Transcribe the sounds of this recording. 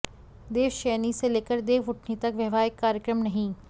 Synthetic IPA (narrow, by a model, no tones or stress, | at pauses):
d̪eːʋʃɛːniseleːkəɾd̪eːʋʊʈʰnit̪ɐkʋjɐʋaːɪkːaːɾjəkɾəmnɐɦĩː